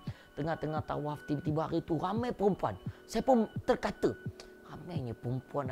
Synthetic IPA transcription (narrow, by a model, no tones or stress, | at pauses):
t̪əŋaht̪əŋaht̪a̰waft̪imt̪ibaaɾit̪uɾamajpəɾumpua̰nsajapʊnt̪ərkat̪ə | ramajɲəpəɾumpuan